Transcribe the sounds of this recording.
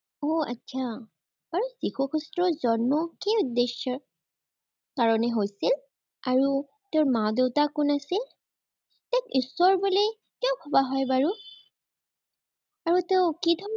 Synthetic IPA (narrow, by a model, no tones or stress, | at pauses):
oa̰tːsʰa | baɹuzixɔkustɹɔzɔnmɔkeudːeʃɔɹ | kaɹɔnɛɦojsil | aɹu | teʊɹmadeʊtakʊnasil | tɛkusːɔɹbule | kiɔʊkʰɔbaɦɔjbaɹu | aɹuteʊ̃kidʱɔ